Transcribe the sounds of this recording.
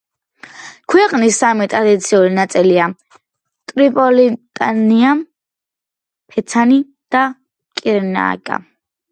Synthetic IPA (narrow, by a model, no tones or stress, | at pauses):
kʰwɛqʼnisːamit̪ʼɾad̪it̪sʰiulinat̪sʼilia | t̪ʼɾipʼɔlit̪ʼania | pʰɛt̪sʰani | d̪̥a | kʼiɾna̰ːkʼa̰